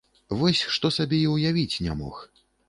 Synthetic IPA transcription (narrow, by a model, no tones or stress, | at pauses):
vɔsʲʂt̪ɔsabʲejiwjavʲit͡sʲnʲa̰mɔ̰x